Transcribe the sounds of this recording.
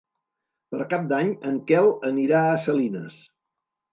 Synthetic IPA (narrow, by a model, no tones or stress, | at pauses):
pəɾkap̚d̪aɲəŋkɛləniɾaəsəlinəs